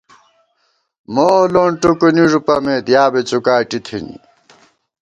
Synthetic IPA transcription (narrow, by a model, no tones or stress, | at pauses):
moːloɳʈokuniʐupɐmed̪jaːbet͡sukaːʈit̪ʰḭnḭ